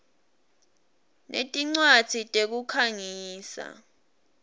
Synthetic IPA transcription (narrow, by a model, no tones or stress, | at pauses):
nʔḛtʼiŋ͡ǀwad̥z̥ʰʱitʼek̬ukʰaŋiːsa̰